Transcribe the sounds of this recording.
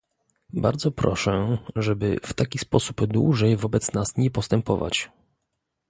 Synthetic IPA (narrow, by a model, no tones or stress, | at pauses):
baɾd̪zɔpɾɔʂɛʐɛbɘ̰ft̪akʲispɔsu̥bd̪wṵʐɛjvɔbɛt̪snasɲɛpɔst̪ɛmpɔva̰t͡ɕ